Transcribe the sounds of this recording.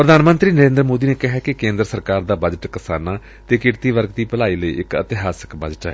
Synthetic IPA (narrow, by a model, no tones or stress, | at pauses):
pɾəd̪aːnmə̃nt̪ɾiːnəɾẽːnd̪ɾmoːd̪iːneːkɪɦɛːkɪkẽːnd̪ɾəsəɾkaːɾd̪aːbəd͡ʒəʈkəsaːnaː | t̪eːkɪɾt̪iːʋəɾkt̪iːpəlaːiːləḭːʔɪkə̰t̪ɪɦaːsə̥kbəd͡ʒʈɛ̰ː